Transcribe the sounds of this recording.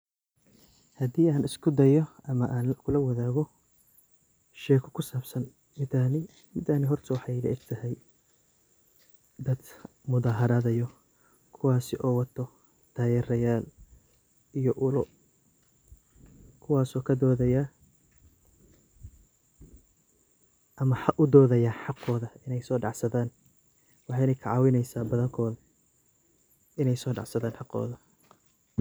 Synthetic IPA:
hɐd̪iːʔaːnɪskʰʊd̪ɐjɔʔɐmɐʔaːnkʰʊlɐwɐðaːɣɔ | ʃɛːkʰɔkʰʊsaːbsɐn | mɪd̪aːnɪ | mɪd̪aːnɪɦɔrt̪ʰɔwɑħɑjlɛ̰ɛɡt̪ʰɐɦɛj | d̪ɐd̪ | mʊðaːɦɐɾɐðɐjɔ | kʰʊwaːsɪʔɔːwɐt̪ʰɔ | d̪̥ʰaːjɛrɐjaːl | ijɔʔʊlʊ | kʰʊwɑːsɔːkʰɐd̪ɔːðɐja | ʔɐmɐħɑʔʊd̪ɔːðɐjaːħɑqɔːðɐɪnɛjsɔːɖɑʕsɐðaːn | wɑħɑjnɛjkʰɐʕɑːwɪnɛjsaːbɐðɐŋkʰɔːðɐ | ɪnɛjsɔːɖɑ̰ʕsɐðaːnħɑqɔ̰ːðɐ

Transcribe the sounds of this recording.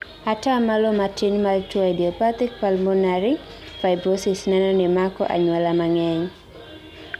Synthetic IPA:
atamalɔmatinmaltwaidiɔpat̪ɪk̚palmɔnaɾi | fajbɾosɪsnɛnɔnɪmakɔ̰ʔa̰ɲwalamaŋɛɲ

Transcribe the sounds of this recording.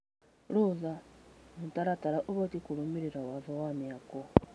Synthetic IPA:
luːzamutaɾataɾaʔoβotikuɾumiɾiɾawavawamjako

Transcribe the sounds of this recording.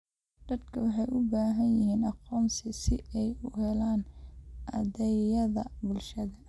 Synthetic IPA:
d̪̥ɐd̪kʰɐwɑħɑjʔʊbaːɦɐnjɪɦiːnɑqɔːmsɪsɪɛjʊhɛlaːnʔɐdɛjɐðɐbʊlʃɐðɐ

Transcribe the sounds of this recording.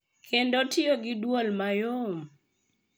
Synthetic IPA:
kʰendɔtɪoɡɪdwolmajom

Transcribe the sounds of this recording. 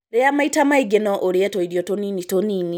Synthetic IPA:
ɾeamaitamaiɡenɔʔoɾietoiɾjotoninitonini

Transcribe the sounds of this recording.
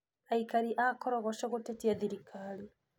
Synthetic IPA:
aikaɾiʔakɔɾɔɣɔʃɔɣotetiaðiɾikʰali

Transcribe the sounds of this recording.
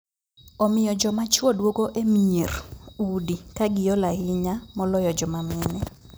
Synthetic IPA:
ɔmɪjɔd͡ʒɔmat͡ʃwɔdwokoʔemɲerudikaɡɪjɔlahɪɲamɔlɔjɔd͡ʒɔmamɪnɛ

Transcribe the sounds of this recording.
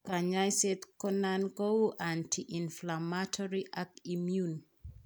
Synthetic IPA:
kaɲajsetkɔnankowʔantʰiʔĩnflamatʰɔɹiʔakimjun

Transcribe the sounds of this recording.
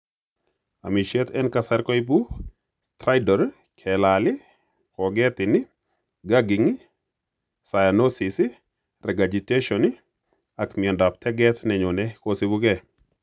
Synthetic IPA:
a̰miʃetɛnkasaɾkɔibu | stɾajdɔɾ | kʰɛlalɪ | kɔɡɛtɪnɪ | ɡaɡiŋi | sajanosisi | rɛɡad͡ʒiteʃɔni | akmiɛndap̚tɛɡɛtnɛɲunɛkosibukɛ

